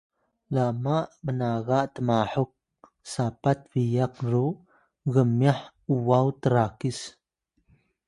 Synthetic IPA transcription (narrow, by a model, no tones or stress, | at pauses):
lamaʔmənaɣaʔtəmaħuk̚ | sapat̚vijakru | ɣəmːjaħ | uwawtəɾakis